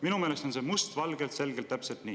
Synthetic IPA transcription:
minumeːlest̪o̞nse̞must̪vɑlɡelt̪se̞lɡ̥elt̪ːæpselt̪niː

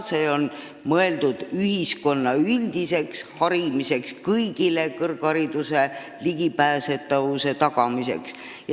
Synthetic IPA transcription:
t̪sejo̞n | mɤe̞ld̪̥ud̪̥yhisko̞nːɑylʲd̪̥ise̞kshɑɾimise̞kskɤjɡile̞kɤrɡ̥ɑɾid̪̥use̞ | liɡ̥ipæːse̞t̪ːɑvuse̞t̪ɑɡ̥ɑmise̞̰ks | j

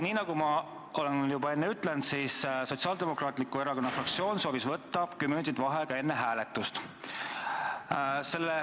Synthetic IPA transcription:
niːnɑɡumɑ | ʔo̞lenjubɑe̞nːeyt̪ˑlent̪siːsso̞t̪siɑːld̪̥e̞mo̞krɑːt̪ˑlikːˑue̞ɾɑko̞nːɑfrɑk̚t̪sio̞ːnso̞ːvisvɤt̪ːɑkymyt̪id̪vɑɦekɑe̞nːeɦæːle̞t̪ːˑust̪ | se̞lːe

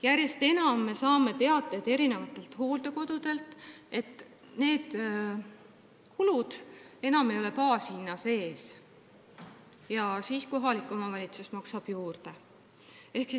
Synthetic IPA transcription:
jærje̞st̪e̞nɑmːe̞sɑːme̞t̪e̞ɑd̪ːˑed̪̥e̞ɾine̞vɑt̪ːˑe̞lt̪ho̞ːld̪̥e̞ko̞d̪̥ud̪̥e̞lt̪ˑe̞t̪ːˑ | ne̞ːd̪̥ | kʰulud̪̥e̞nɑme̞jo̞lepɑːshinːɑse̞ːs | jɑsiːsko̞ɦɑlikːˑo̞mɑvɑlʲit̪susmɑksɑb̥juːrd̪̥e̞ | e̞hksi

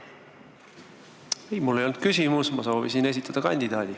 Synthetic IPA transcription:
ejmulːejo̞lnud̪̥̚kysʲimusmɑso̞ːvisine̞s̬ʲit̪ːˑɑd̪̥ɑkɑ̰nʲd̪̥id̪ɑːd̪̥i

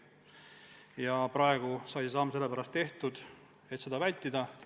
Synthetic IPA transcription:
jɑprɑe̞ɡ̥usɑjsesɑmːse̞lːe̞pæɾɑst̪ːe̞ht̪ud̪̥ | e̞t̪se̞d̪ɑvælʲt̪ːˑid̪ɑ

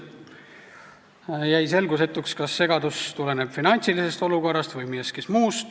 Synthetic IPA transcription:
jæjse̞lɡuse̞t̪ːˑukskɑsːe̞ɡɑd̪ust̪ule̞ne̞b̥finɑnʲt̪silise̞st̪oluko̞rˑːɑst̪vɯjmijeskismuːst̪

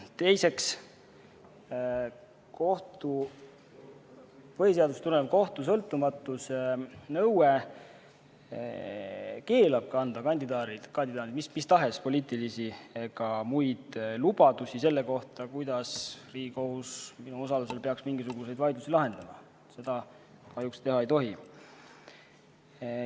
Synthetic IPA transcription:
t̪e̞jse̞ks | ko̞ht̪u | vɤeseɑd̪ust̪uɾenep̚ko̞ht̪us̬ɤlt̪ːˑumɑt̪ːˑusnɤwe | ke̞ːlɑb̥̚kɑnd̪̥ɑkɑnʲd̪id̪ɑɾid̪kɑnd̪id̪̥ɑːt̪id̪mismist̪ɑɦe̞spo̞lʲiːt̪ːˑilisieɡ̥ɑmujd̪̥lub̥ɑd̪usise̞lːe̞ko̞ht̪ɑkujd̪ɑsriːɡ̥iko̞husminuo̞sɑlus̬e̞lpe̞ɑksmiŋɡ̥isuɡ̥use̞jd̪̥vɑjd̪lusilɑɦe̞nd̪̥ɑmɑ̰ | se̞d̪̥ɑ | kɑjukst̪e̞ɦɑe̞jt̪o̞ɦi

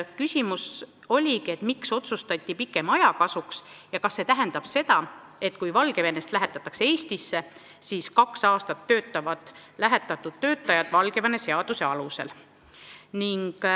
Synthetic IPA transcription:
kysʲimus | o̞lʲikie̞t̪mikso̞t̪sust̪ɑt̪ʲːˑipikːˑe̞mɑjɑkɑsuks | jɑkɑsːe̞t̪æɦe̞nd̪̥ɑb̥se̞t̪ɑ | e̞t̪ːkujvɑlɡe̞vene̞st̪læɦet̪ːˑɑt̪ːˑɑ̥kse̞eːsʲt̪isːe̞ | siːskɑksɑːst̪ɑt̪ːø̞ːt̪ːˑɑvɑd̪̥læɦet̪ːˑɑt̪ːˑud̪̥̚t̪ːø̞ːt̪ːˑɑjɑd̪̥vɑlɡe̞vɑne̞se̞ɑd̪̥use̞ɑluse̞̰l | niŋɡ̥

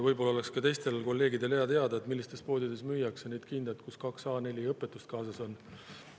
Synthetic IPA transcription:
vɤjbo̞lːɑo̞le̞kskɑt̪e̞jst̪e̞lko̞lːe̞ːɡid̪e̞leɑt̪e̞ɑd̪ɑet̪milːist̪e̞spo̞ːd̪ʲid̪̥e̞smyːjːɑksene̞jd̪̥̚kind̪̥et̪̚kuskɑksɑːne̞lʲiɤpːˑe̞t̪ːˑust̪kɑːsɑso̞n

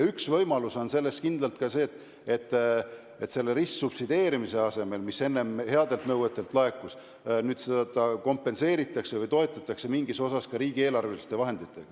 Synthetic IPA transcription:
yksvɤjmɑluso̞nse̞lːest̪kind̪lɑlt̪kɑse̞ːt̪ːˑ | et̪ːˑ | et̪se̞lːeɾissub̥sid̪e̞ːɾimise̞ɑse̞me̞lmise̞nːe̞mhe̞ɑd̪e̞lt̪nɤwet̪ːˑe̞lt̪ˑlɑe̞kːˑus | nyːd̪sed̪̥ɑko̞mpːˑe̞nse̞ːɾit̪ːˑɑkse̞vɤjt̪o̞e̞t̪ːˑɑt̪ːˑɑkse̞miŋɡiso̞sɑskɑɾiːɡ̥ie̞ːlɑrvelist̪e̞vɑɦe̞nd̪it̪ːˑe̞ɡ̥ɑ

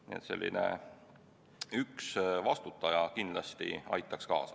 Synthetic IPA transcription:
niḛt̪se̞̰lʲːḭnḛ | yksvɑst̪ut̪ːˑɑjɑkind̪lɑst̪ḭɑ̰jt̪ːˑɑkskɑ̰ːsɑ

